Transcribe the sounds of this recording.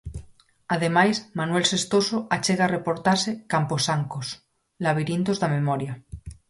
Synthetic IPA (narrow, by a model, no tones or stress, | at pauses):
að̞emajsmanwelsest̪osoat͡ʃeɣarepoɾt̪aɾsekamposaŋkos | laβ̞iɾint̪ozðamemɔɾja